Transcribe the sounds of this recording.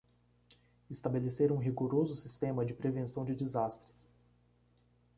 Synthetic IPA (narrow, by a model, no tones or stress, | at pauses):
ɪst̪abeleseɾũɦiɡoɾozʊsist̪ẽmɐd͡ʒɪpɾevẽsɐ̃w̃d͡ʒɪd͡ʒɪzast̪ɾɪs